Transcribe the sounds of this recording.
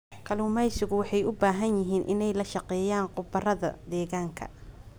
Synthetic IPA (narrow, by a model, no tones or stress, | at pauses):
kʰɐlʊːmɛjsɪɣʊwɑħɑjʊbaːɦɐnjɪɦiːnʔɪ̰nɛjlɐʃɑqɛːjaːnqʊbɐrɐðɐ̰d̪ɛːɣaːŋkʰɐ̰